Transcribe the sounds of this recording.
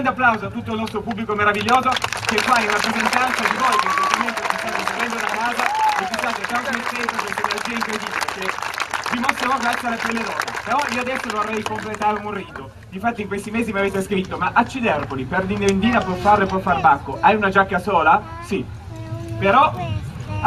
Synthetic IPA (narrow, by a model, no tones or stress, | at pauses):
ɡɾnd̪eapːlawzat̪ːut̪ːolnɔst̪ɾopubːlikomeɾaviʎːoːzok̟ekwaiunapɾezent̪ɾant̪sad̪ivojknsest̪oment̪osist̪anoseɾɛnd̪ounanaːzaefit͡ʃːaːt̪et̪ːank̪amepːeːt̪okent̪eneld͡ʒiːaiŋkɾed̪iːbilekevimost̪ɾevokɛsːeɾepelːeɾɔːzepeɾɔioad̪ɛsːononarːɛjkomplet̪aːɾourːiːt̪o | d̪ifat̪ːiŋkwest̪imeːzimeaveːt̪eskɾit̪ːomaʔat͡ʃːid̪ɛrpolipɛrd̪ind̪oind̪iːnapwɔfːarepːwɔfːarbakːoʔajunad͡ʒakːasoːla | si | peɾɔ